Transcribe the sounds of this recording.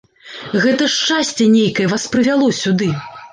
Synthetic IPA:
ɣɛt̪ɐʂt͡ʂasʲt͡sʲɛnʲejkɐjɛvaspɾɨvʲalˠɔsʲud̪ɨ

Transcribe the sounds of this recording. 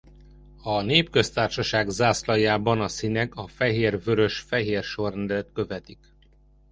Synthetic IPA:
ɒneːpkø̞st̪aːrʃɒʃaːɡzaːslɒjaːbɒnɒsinɛkɒfɛɦeːrvøɾø̞ʃfɛɦeːrʃo̞rɛnd̪ɛlɛt̪kø̞vɛt̪ik

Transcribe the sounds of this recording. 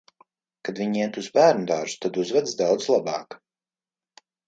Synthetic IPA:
kad̪viɲiɛt̪uzbæːɾnud̪aːɾʒu̥t̪ad̪uzvad̪zd̪awd̪zlˠabɑːk

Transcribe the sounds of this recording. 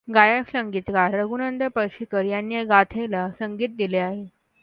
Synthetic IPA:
ɡajaksəŋɡiːt̪kaɾːəɡunənd̪əpəɾɕikəɾjanːjaɡat̪ʰelasəŋɡiːt̪̚d̪ileaɦe

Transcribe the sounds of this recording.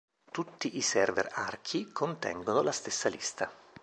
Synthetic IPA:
t̪ut̪ːiʔisɛrvɛ̰rarkʰikʰont̪ɛ̰ŋɡonolast̪esːalist̪a

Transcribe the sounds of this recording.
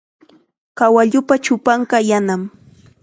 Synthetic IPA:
kawaʎʊpat͡ʃʊpaɴɢɑjanam

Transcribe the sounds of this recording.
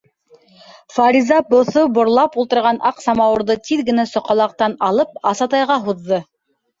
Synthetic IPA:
faɾʲizɑbŏθobŏɾlˠɑpulˠt̪ɤ̆ɾʁɑnʔɑqsɑmɑwɤ̆ɾðɤt̪iðɡɘ̆næsŏqɑlˠɑq̚t̪ɑnɑlˠɤp̚ɑsɑt̪ɑjʁɑɦuðːɤ

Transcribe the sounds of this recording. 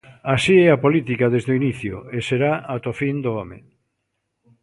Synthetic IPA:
asiɛapolit̪ikaðezðʊiniθjʊ̰eseɾaat̪ofind̪ʊɔmḛ

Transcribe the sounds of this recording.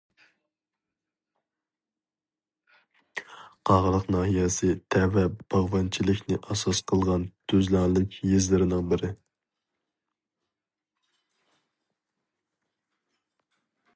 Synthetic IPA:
qʰɑʁəlˠəqnɑːɦijɛsɪt̪ʰɛvɛb̥ɑʁwɑnt͡ʃʰilɪkʲnɪʔɑsɑsqʰəlˠʁɑnt̪ʰøzlɑŋlˠɪkʲjizlɪɾɪnɪŋbɪɾɪ

